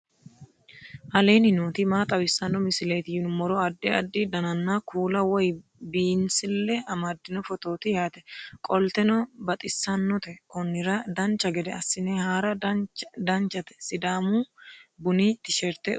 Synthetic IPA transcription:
ʔɐleːnɪnoːt̪imaːt̪ʼɐwɪsːɐnːɔmɪsɪleːt̪ɪjʊnʊmɔɾɔɐd̪ːɛɐd̪ːɪd̪ɐnɐnːaːkʰuːlɐwɔjbiːnsɪlːɛɐmɐd̪ːɪnɔfɔt̪o̞ːt̪ɪjaːt̪ɛ̥kʼɔlt̪ɛnɔbɐt̪ʼɪsːɐnːɔt̪ɛkɔnːɪɾɐd̪ɐnt͡ʃːɐɡɛd̪ɛɐsːɪneːhaːɾɐd̪ɐnt͡ʃːɐt̪ɛ̥sɪd̪aːmuːbʊniːt̪ːɪʃɛɾt̪ɛ̰

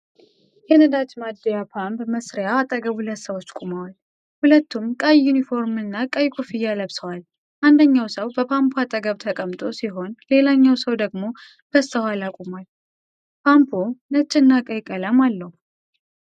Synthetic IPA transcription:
jɛnɨd̪at͡ʃmad̪ːijapʰampməsɾjaːt̪ʼːəɡəβhulət̪səwot͡ʃːkʼumawal | hulət̪ːumkʼajːunifo̞ɾmɨnːakʼajkʰʼufijːaləβsəwal | ʔand̪əɲːawsəwbəpʰampʰoat̪ʼəɡəβt̪ʰəkʼəmt̪ʼo̞siɦo̞nle̞laɲːawsəwd̪əɡmo̞ | b̥əst̪əhalakʼumal | pʰampʰonət͡ʃʼːɪnːakʼəjkʼələmalːəhu

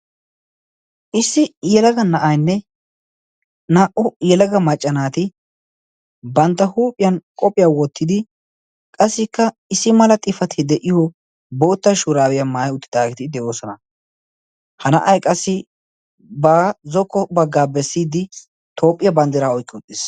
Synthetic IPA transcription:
ʔɪsːɪjɛlɐɡɐnɐʔajnːɛ | naːʔʊjɛlɐɡɐmɐt͡ʃʼːɐnaːt̪ɪ | bɐnt̪ːɐhuːpʼːɪjɐnkʼɔpʼːɪjaːwɔt̪ːɪd̪ɪ | kʼɐsːɪkːɐ | ɪsːɪmɐlɐt̪ʼɪfɐt̪ʰɪd̪ɛʔɪjɔ | boːt̪ːɐʃuɾaːwɪjɐmaːjʊt̪ːɪ̥d̪aːɡɛt̪ɪd̪ɛʔo̞ːsɔnɐ | hɐnɐʔɐjkʼɐsːɪ | bɐzɔkːɔbɐɡːaːbɛsːiːd̪ɪ | t̪ʰo̞ːpʼːɪjɐbɐnd̪ɪɾaɔjkʼːɪʊt̪ʼːɪs

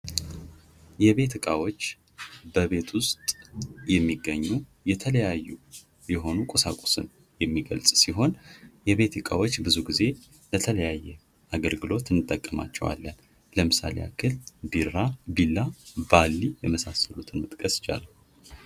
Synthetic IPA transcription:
jɛβe̞t̪ɨkʼawo̞t͡ʃː | bəβe̞t̪ʰwʊst̪ʼjɛmːiɡəɲːujɛt̪ʰələjajːu | jɛɦo̞nukʼosakʼo̥sɨn | jɛmːiɡə̰lsʼsiɦo̞njɛβe̞t̪ɨkʼawo̞t͡ʃːbɨzuɡize̞ | bət̪ʰələjajːɛ | ʔaɡəlɡɨlo̞t̪ɨnːɨt̪ʼːəkʼːəma̰t͡ʃːɛ̰wa̰lːən | ləmɨsa̰leja̰kʰɨlbiɾabilːabalːijɛməsasəlut̪ʰɨnmɨt̪ʼkʼəsɪ̥t͡ʃʼa̰la

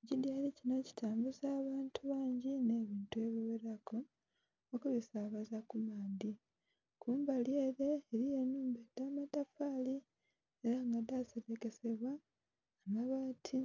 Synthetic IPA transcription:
cidjaɾicinaci̥taːmbuzaːβaːntʰuβaːɲɟine̞ːβiːntue̞βiweɾako | okuβisaːβazakumaːndi | kuːmbalje̞ːɾeːɾijenuːmbedaːmatafaːli | eɾaŋɡadaseɡeke̞se̞βwaː | ŋɡaβatʰi

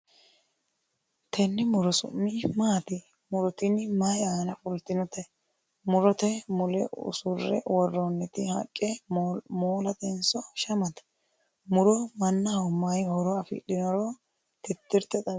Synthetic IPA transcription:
t̪ʰɛnːɪmʊɾɔsʊ̰mːɪmaːt̪ɪ | mʊɾɔt̪ɪnɪmajaːnɐfʊlt̪ɪnɔt̪ɛ | mʊɾɔt̪ɛmʊlɛ̰ʊ̰sʊɾːɛ̰wɔrːɔnːɛt̪ɪhɐ̰kʼːɛmoːlɐt̪ɛnsɔʃɐmɐt̪ɐ̥ | mʊɾɔmɐnːɐhɐwmajhɔɾɔɐfɪ̰ɗɪnɔɾɔ | t̪ɪt̪ːɪɾt̪ɛt̪ɐ

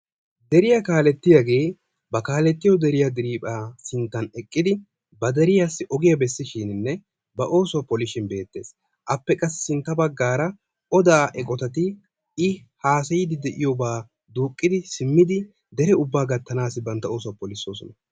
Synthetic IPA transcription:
d̪ɛɾɪjakaːlɛt̪ːɪjɐɡe̞ː | bɐkaːlɛt̪ːɪjɔd̪ɛɾɪjɐd̪ɪɾiːpʼaːsɪnt̪ːɐnɛkʼːɪd̪ɪ | bɐd̪ɛɾɪjasːɪʔɔɡɪjɐbɛsːɪʃiːnɪnːɛ | bɐʔo̞ːsʊwɐpɔlɪʃɪnbe̞ːt̪ːe̞ːs | ʔɐpːɛkʼɐsːsɪnt̪ːɐbɐɡːaːɾɐ | ʔɔd̪aːʔɛkʼɔt̪ɐt̪ɪ | ɪhaːsɐjɪd̪ɪd̪ɛʔɪjobaː | d̪uːkʼːɪd̪ɪsɪmːɪd̪ɪ | d̪ɛɾɛʊbːaːɡɐt̪ːɐnaːsɪbɐnt̪ːɐo̞ːsʊwɐpɔlɪso̞ːsɔnɐ

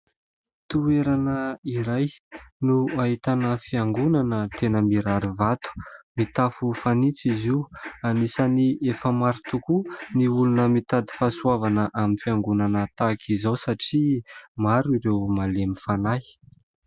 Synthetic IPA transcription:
t̪ueɾanəiɾajnuait̪anəfiaŋɡunanət̪enəmiɾaɾivat̪u̥mit̪afufanit͡sizianisaniefəmaɾit̪ukuniulunəmit̪ad̪i̥fasuavanəʔaminfiaŋɡunanət̪akʰizawsaʈ͡ʂimaɾuiɾewmalemifanaj

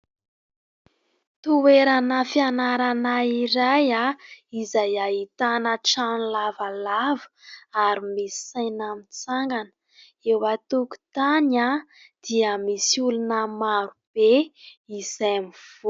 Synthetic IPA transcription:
t̪uweɾanəfianaɾanaiɾajaizajaɦit̪anəʈ͡ʂanlavalavə̥aɾimisi̥sajnamit͡saŋɡanə̥ | ewat̪uku̥t̪ana | d̪̥iəmisulunəmaɾub̥eizamiv̥o

